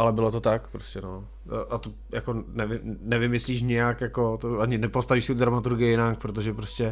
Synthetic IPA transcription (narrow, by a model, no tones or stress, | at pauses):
ʔalɛbɪlot̪ot̪akpɾoscɛno | ʔat̪o | jakonɛvɪmnɛvɪmɪsliːʃ̬ɲɛjakjako̞t̪oʔaɲɪnɛpost̪aviːʃsɪud̪ɾamat̪uɾɡɪɪɪnaːŋk̚pɾot̪̬oʒɛpɾoscɛ